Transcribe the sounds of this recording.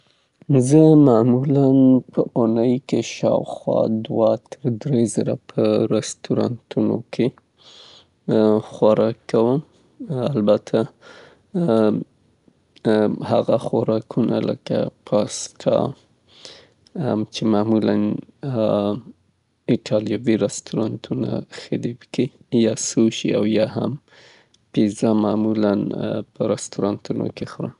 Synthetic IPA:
zəmamulanpʰəʔʊnəjkeʃɑwxwɑ̰d̪wat̪ʰəɾd̪ɾezəɾapʰəɾɪst̪uɾɑ̰nt̪ʰuno̰kʰe | xwaɾɑkːawəm | albat̪ʰa | haɣaxwaɾɑkʰuna̰lə̰ka̰pʰɑsʈʰɑ̰ | t͡ʃemamulan | ɪʈʰɑljɑviɾast̪uɾɑnt̪ʰuna̰xad̪iwki | jɑsoʃḭawjɑɦa̰m | pizamamulanpəɾast̪oɾɑnt̪uno̰kexɾə̰

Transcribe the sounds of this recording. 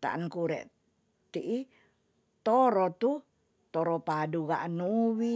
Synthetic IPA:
t̪a̰ankuɾɛ̰ʔ | t̪iʔi | t̪ɔɾɔt̪u | t̪ɔɾɔpaduɡa̰ʔnuwi

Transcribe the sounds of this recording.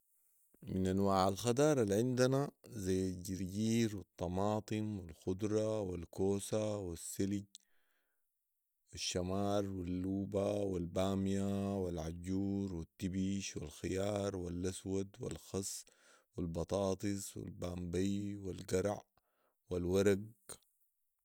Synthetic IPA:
minanwaːʕalxad̪ɑːɾˤalʕind̪anazajːalɟiɾɟiːɾwɨt̪ˤːɑmɑːt̪ˤɨmwilxʊd̪ɾˤɑwilkoːsawisːilɟ | wiʃːamɑːɾˤwilːuːbawilbaːmjawilʕaɟuːɾwit̪ːibiːʃwḭlxɪjɑːɾˤwilʔaswad̪wḭlxɑsˤ | wilbɑt̪ˤɑːt̪ˤɨswḭlbaːmbajwilɡɑɾˤʕ | wilwaɾˤaɡ

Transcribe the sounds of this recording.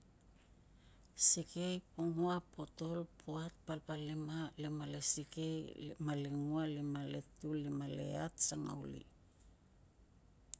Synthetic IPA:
sike̞jpoŋuapo̞to̞lpʰuat̚palpalemalemalesike̞jmaleŋualimale̞̰tulimale̞̰atsaŋa̰wlḭ

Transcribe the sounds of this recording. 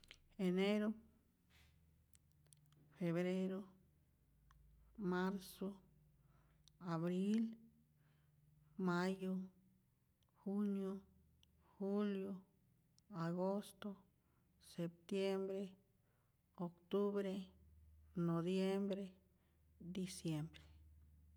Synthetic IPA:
eneɾo | feβɾeɾo | maɾso | aβɾil | majo | xunjo | xuljo | aɡost̪o | sep̚t̪jembɾe | okt̪uβɾe | nobjembɾe | d̪isjembɾe

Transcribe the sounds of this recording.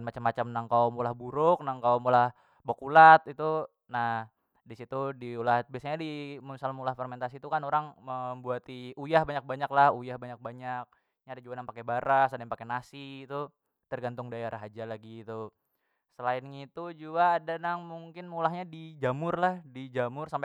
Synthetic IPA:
nmat͡ʃamːat͡ʃamnaŋkawmolahbuɾʊk̚naŋkawmolah | bokulat̪it̪u | nah | disit̪udiulat̪̚biasaɲadimunsalmulahfɛrment̪asiːt̪ukanoɾaŋməmbuat̪iujahbaɲak̚baɲaklahujahbaɲak̚baɲak̚ | ɲaːdad͡ʒuɡanaŋpakebaɾasadaŋpakenasiːt̪u | t̪ərɡant̪ʊŋdajaɾaɦad͡ʒalaɡiːt̪u | səlaɪnŋit̪ud͡ʒuɡaːdanaŋmuŋkɪnmulaɦɲadid͡ʒamʊrlahdid͡ʒamʊrsampe

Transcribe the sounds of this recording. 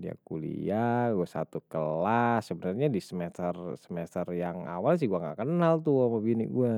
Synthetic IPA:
dia̰kulḭaɡuasa̰t̪ukəlasəbənərɲadisəmɛt̪ərsəmɛsərjaŋa̰wals̬ɪhɡuaŋɡa̰ʔkənalt̪uamabiniɡua

